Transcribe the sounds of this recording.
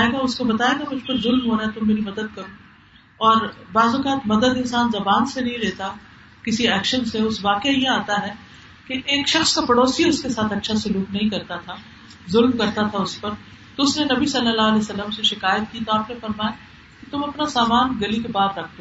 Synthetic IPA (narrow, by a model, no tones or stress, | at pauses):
eɡaʊskobɐt̪aːjeːɡamʊd͡ʒpɐɾzʊlmɦoːɾaɦɛt̪ʊmːeːɾimɐd̪əd̪̚kɐɾõː | ɔːɾbaːzʊkaːt̪mɐd̪əd̪ɪ̃nsaːnzɐbaːnsenɐɦĩleːt̪a | kɪsiɛːkʃənseʊsʋaːkejajeaːt̪aɦɛ | keʔeːkʃɐxskapɐɽoːsiʊskesaːt̪ʰɐtːʃʰasʊluːknɐɦĩkɐɾt̪at̪ʰa | zʊlmkɐɾt̪at̪ʰaʊspɐɾ | t̪oʊsnenɐbisɐlːəlːaːɐleːsɐlːəmseʃɪkaːjət̪kit̪oaːpnefɐɾmaːja | kit̪ʊmɐpnasaːmaːnɡɐlikebaːd̪ɾɐkʰt̪o